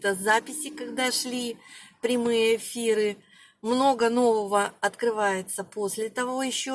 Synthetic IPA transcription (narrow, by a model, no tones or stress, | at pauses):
t̪əzapʲɪsʲɪkɐɡd̪aʂlʲipɾʲɪmɨjəɪfʲiɾɨ | mno̞ɡəno̞vəvəɐt̪kɾɨvajɪt̪səpo̞sʲlʲɪt̪ɐvo̞jɪɕːo